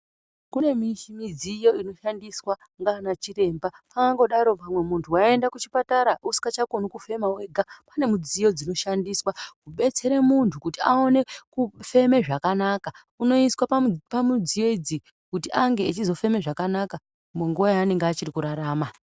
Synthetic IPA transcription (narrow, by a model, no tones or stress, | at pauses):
kune̞miʃimid͡zijoino̞ʃandiswa | ŋɡanat͡ʃire̞mbapaaŋɡo̞ɗaɾo̞pamwe̞muntʰuwae̞ndakut͡ʃi̥pataɾaʔusi̥kat͡ʃakonukufe̞mawe̞ɡʱapane̞mud͡zijo̞d͡zino̞ʃandiswakuɓe̞t͡se̞ɾemuntʰukutiao̞ne̞kufe̞me̞ʐakanaka | uno̞iswapamud͡zijo̞id͡zi | kutiʔaŋɡe̞ːt͡ʃizo̞fe̞me̞ʐakanaka | muŋɡuʋajaːne̞ŋɡeat͡ʃirikuɾaɾaːma